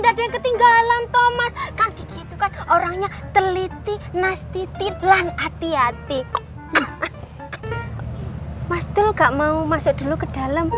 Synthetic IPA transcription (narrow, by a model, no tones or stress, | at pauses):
dad̥eankət̪iŋɡalant̪omaskaŋɡ̥i̤ɡit̪ukanoɾaŋɲat̪əlit̪inast̪it̪ilanat̪iat̪i | ja | masd̪̥əlŋɡaʔmaumasʊk̚d̪̥ṳlukəd̥a̤ləm